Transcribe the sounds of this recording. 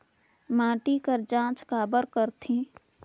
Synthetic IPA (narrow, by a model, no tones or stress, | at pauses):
mãːʈikəɾd͡ʒãːt͡ʃkaːbəɾkəɾt̪ʰĩ